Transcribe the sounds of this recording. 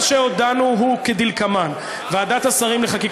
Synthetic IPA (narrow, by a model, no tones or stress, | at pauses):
ʃeod̪anuɦuked̪ilkaman | vead̪at̪hasaʁimleχakik